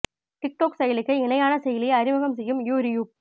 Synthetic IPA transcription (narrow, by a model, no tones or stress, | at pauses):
ʈɪk̚ʈoːksɐjɐlɪkːɐɪɪnɐjaːnɐsɛjɐlɪjɐɐɾɪmɐɣɐmsɛjːɯmjuːɾɪjuː